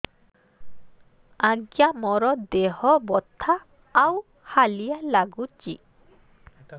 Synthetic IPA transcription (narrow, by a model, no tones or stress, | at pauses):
aɡjamɔɾɔd̪eɦɔbɔt̪ʰːaː | w | halijalaɡut͡ʃḭ